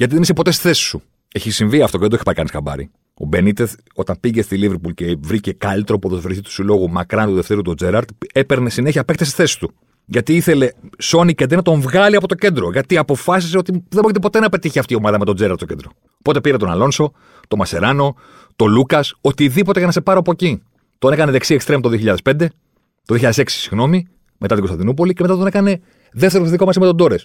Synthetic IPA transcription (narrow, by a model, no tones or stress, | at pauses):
ʝɐt̪iðeisepo̞t̪e̞st̪i̥θe̞si̥su | eçisiɱviɐft̪oend̪ɾoei̥pɐikɐnisɐ̰bɐ̰ɾḭ | o̞̰be̞nit̪es | o̞t̪ɐmpiʝe̞st̪iliveɾpulcevɾice̞kɐlit̪ɾo̞poðosofɾiθit̪u̥silo̞ɣumɐkɾɐnt̪uðe̞ft̪eɾut̪o̞d͡ze̞ɾɐɾt̪e̞pe̞ɾne̞sineçiɐpekt̪esi̥θe̞si̥t̪u | ʝɐt̪iiθe̞le̞so̞nicɐnd̪inɐt̪o̞ɱvɣɐliɐpo̞t̪oce̞nd̪ɾo̞ʝɐt̪iɐpo̞fɐs̬is̬eo̞t̪iðebçit̪̬po̞t̪e̞nɐpe̞t̪içiɐft̪io̞mɐðɐmet̪o̞d͡zeɾɐɾt̪socend̪ɾo | po̞t̪e̞piɾet̪o̞nɐ̰lo̞nso̞ | t̪o̞mɐse̞̰ɾɐno̞ | t̪o̞lukɐso̞t̪iðipo̞t̪e̞ʝɐnɐse̞pɐɾoɐpo̞eci | t̪onekɐneðe̞ksiekst̪ɾemt̪oðioçiʎɐðespe̞nd̪e̞ | t̪ðioçiʎɐðeseksi̥siɣno̞mi | me̞t̪ɐt̪iɡost̪ɐnd̪inup̬o̞licemet̪at̪onekɐne̞ | ðeft̪eɾoisðiko̞mɐsimet̪od̪o̞ɾes